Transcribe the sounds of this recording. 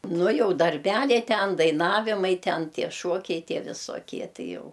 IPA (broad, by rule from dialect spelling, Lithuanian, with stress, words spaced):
ˈnʊ ˈjɛʊ dɐrʲˈbʲælʲɛɪ ˈtʲɛn dɐɪˈnɑːʋʲɪmɐɪ ˈtʲɛn ˈtʲiɛ ˈʃuɔkʲɛɪ ˈtʲiɛ ʋʲɪsoːˈkʲiɛ ˈtʲɪ ˈjɛʊ